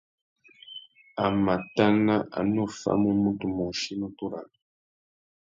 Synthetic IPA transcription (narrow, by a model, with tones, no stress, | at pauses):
a˨ma˨ta˦na˦ʔa̰˨no˦˨fa̰˦mu˦mu˦tu˨mo˨ʃi˦nu˦tu˦ɾa̰˨